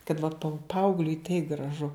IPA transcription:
kɐt ʋɐt pɐʊ ˈpɐɐʊɡlʲʊɪ tɐɪ ɡrɐˈʒʊ

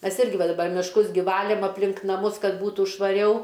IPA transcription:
ˈmʲɛs ˈɪrʲɡʲɪ ˈʋɐ dɐˈbɐr mʲɪʃˈkʊs ɡʲɪ ˈʋɑːlʲeːm ɐpʲˈlʲɪŋk nɐˈmʊs ˈkɐt ˈbuːtuː ʃʋɐˈrʲɛʊ

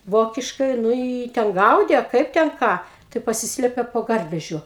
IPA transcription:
ˈʋoːkʲɪʃkɐɪ ˈnʊ ɪ ˈjiː tʲɛn ˈɡɐʊdʲeː ɐ ˈkɐɪp tʲɛn ˈkɑː tɐɪ pɐˈsʲɪsʲlʲeːpʲɛ poː ˈɡɐrʲʋʲɛʒʲʊ

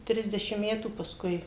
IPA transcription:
ˈtʲrʲɪzʲdʲɛʃʲɪm ˈmʲæːtuː pɐsˈkʊɪ

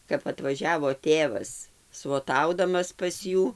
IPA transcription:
kɐp ɐtʋɐˈʒʲæːʋoː ˈtʲeːʋɐs sʋoːˈtɐʊdɐmɐs pɐs ˈjuː

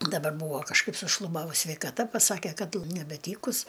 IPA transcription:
dɐˈbɐr ˈbuːʋoː kɐʃˈkɐɪp sʊʃlˠʊˈbɑːʋʊs sʲʋʲɛɪkɐˈtɐ pɐˈsɑːkʲɛ ˈkɐt lˠ nʲɛbʲɛˈtʲiːkʊs

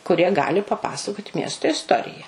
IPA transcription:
kʊˈrʲiɛ ˈɡɑːlʲɪ pɐˈpɑːsɐkoːtʲ ˈmʲiɛstoː ɪsˈtoːrʲɪjɛ

